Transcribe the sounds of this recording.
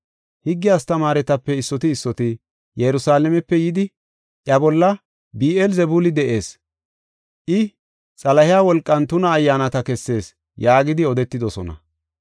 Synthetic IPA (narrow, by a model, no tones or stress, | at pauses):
hɪɡːɪjaːst̪ɐmaːɾɛt̪ɐpːɛɪsːɔt̪ɪːsːɔt̪ɪ | jɛɾʊsaːlɛmɛpːɛjɪd̪ɪ | ʔjɐbɔlːɐ | biːʔɛlzɛbulɪd̪ɛʔe̞ːs | ʔɪ | t͡sʼɐlɐhɪjaːwɔlkʼːɐnt̪ʊnɐːjːaːnɐt̪ɐkɛsːe̞ːs | jaːɡɪd̪ɪɔd̪ɛt̪ːɪd̪ɔsɔnɐ̰